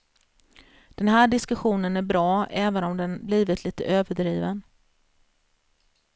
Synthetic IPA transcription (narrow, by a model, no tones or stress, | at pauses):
d̪̥ɛnɦæːɖɪskɵɧuːnənæɾbɾɑːɛːvənɔmd̪ɛnbliːvɪt̪ʰliːt̪ə̰ʔøːvəɖɾiːvən